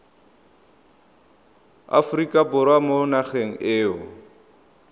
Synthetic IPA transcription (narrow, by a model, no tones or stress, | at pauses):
a̰fʊrikʼabʊɾwamonaχeŋ̩ɪːʊ